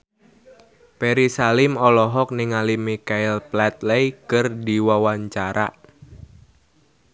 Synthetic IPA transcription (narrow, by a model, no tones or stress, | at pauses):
peɾisalɪmɔlɔɦɔk̚nɪŋalimikaɪlplat̪̚lɛjkɨrdiwawaɲt͡ʃaɾa̰ʔ